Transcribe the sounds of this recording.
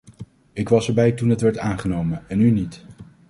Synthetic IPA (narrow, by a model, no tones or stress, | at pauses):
ɪkʋɑsəɹbɛjtunɦətʋɛɹtaːnχənowmənɛnynit